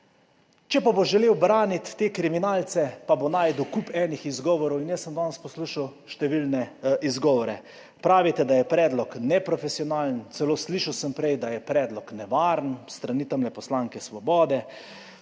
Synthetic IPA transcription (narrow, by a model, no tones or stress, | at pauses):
t͡ʃɛpaboʒɛleːwbɾaːnit̪ːeːkɾiminaːlt̪sɛpabonaːjd̪ukupɛːnixizɡɔːʋɔɾɔwinjəsːəmd̪ɔnspɔsluːʃawʃt̪ɛʋilnɛʔizɡɔːʋɔɾɛ | pɾaːʋit̪ɛd̪ajɛpɾɛːd̪lɔknɛpɾɔfɛsiɔnaːlnt̪sɛloːsliːʃawsəmpɾɛjd̪ajɛpɾɛːd̪lɔknɛʋaːɾnst̪ɾaniːt̪amlɛpɔslaːŋkɛsʋɔbɔːd̪ɛ